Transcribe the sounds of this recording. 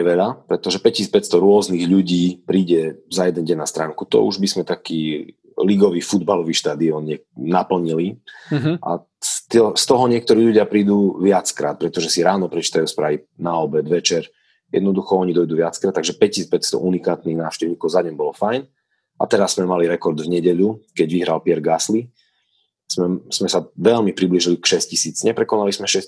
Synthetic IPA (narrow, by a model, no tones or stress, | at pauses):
ɛʋɛʎapɾɛt̪ɔʒɛpɛciːspɛcst̪ɔɾʊɔzniːɣʎuɟiːpɾiːɟɛzajɛd̪ɛnɟɛɲnast̪ɾaːŋkut̪ɔ̰ṵʒbizmɛt̪akiː | liɡɔʋiːfud̪balɔʋiːʃt̪aːd̪iɔnɲɛnapl̩ɲili | a̰ | st̪ɔst̪ɔɦɔɲɪɛk̚t̪ɔɾiːʎuɟɪapɾiːd̪uʋɪat͡skɾa̰ːt̪̚pɾɛt̪ɔʒɛsiɾaːnɔpɾɛt͡ʃi̥ːt̪ajuspɾaːʋinaɔbɛd̪ʋɛt͡ʃɛɾ | jɛ̰d̪nɔd̪uxɔɔɲid̪ɔjd̪uːʋɪat͡skɾat̪ːaɡʒɛpɛcist͡spɛcst̪ɔ̰ʔunikaːt̪niːɣnaːʊʃcɛʊɲikɔʊzaɲɛmbɔlɔfajn | ʔa̰t̪ɛɾasːmɛmaliɾɛkɔɾd̪vɲɛɟɛʎukɛɟʋiɦɾalpɪɛɾɡasli | smɛsmɛsaʋɛʎmipɾibliʒilikʃɛscisiːt͡sɲɛpɾɛkɔnalizmɛʃɛs